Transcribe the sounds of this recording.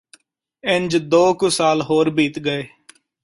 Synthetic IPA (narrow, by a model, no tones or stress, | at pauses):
ɪɲd͡ʒd̪oːkʊsaːlɦoːɾbiːt̪ɡəeː